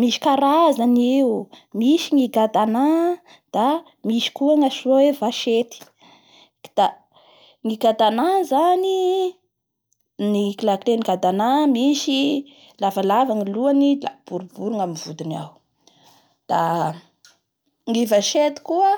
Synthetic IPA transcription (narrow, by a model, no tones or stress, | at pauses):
miʃi̥kaɾazanemiʃiŋiɡad̪ana | d̪̥a | miʃi̥kuaŋasoevaʃet̪i̥ | d̪̥a | ŋiɡad̪anazani | nikilakleniɡad̪anamiʃi | lavalavaŋiluanilab̥uɾubuɾuŋamivud̪ina̰w | d̪̥a | ŋivaʃet̪i̥kuə